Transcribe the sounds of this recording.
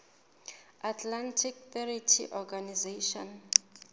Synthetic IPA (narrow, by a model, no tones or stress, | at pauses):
atʰlantʰik̚θɛɾitʰḭʔɔɡanizeʃɔ̰n